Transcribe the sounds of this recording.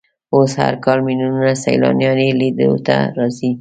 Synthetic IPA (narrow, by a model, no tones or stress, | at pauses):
osha̰ɾkɑlminununasajlɑ̰njɑnelid̪əlo̰t̪a̰ɾɑzi